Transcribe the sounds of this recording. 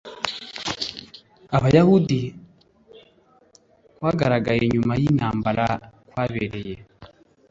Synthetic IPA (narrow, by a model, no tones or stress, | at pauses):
aβajahudi | βaːɡaɾaɡajeɲumajin̥haːmbaɾakwaːβḛɾe̞je